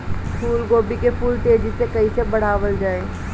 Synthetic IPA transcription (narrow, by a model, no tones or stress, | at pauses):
pʰuːlɡoːbikepʰuːlʈeːd͡ʒisekɐɦisebɐɽ̤aːʋəld͡ʒaːeː